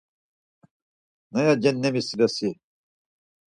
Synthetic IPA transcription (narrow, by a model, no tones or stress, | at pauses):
nɐjad͡ʑenːemisiɾɐsi